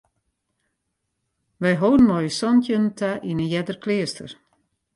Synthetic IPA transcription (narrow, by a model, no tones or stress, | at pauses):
ʋɛjɦoːn̩mɔjsɔntjəntʰaʔinəjɛdərklɪəstə̰r